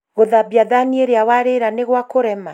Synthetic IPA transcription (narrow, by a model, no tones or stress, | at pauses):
ɣoðabjaðanieɾeawaɾeɾaneɣwakoɾɛma